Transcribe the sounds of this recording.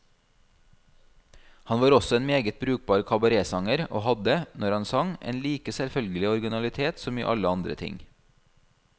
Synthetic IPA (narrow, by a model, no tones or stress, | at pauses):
hɑnʋɑːɾɔsɔeːnmeːɡət̪̚bɾʉːk̚bɑːɾkʰɑbɑɾeːsɑŋəɾo̰ːhɑd̪ənʔɔɾɑnsɑŋʔḛːnliːkəsɛlfœlɡəlɪɔɾɡɪnɑlɪt̪ʰeːt̪sɔmḭːʔɑ̰ləɑnd̪ɾə̰t̪ʰɪ̰ŋ